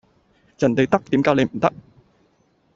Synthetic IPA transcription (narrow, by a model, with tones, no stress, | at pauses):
jɐ˨˩nt̪e˨jt̪ɐ˥k̚t̪iː˨˥mkaː˨˥le˨˧m̩˨˩t̪ɐ˥k̚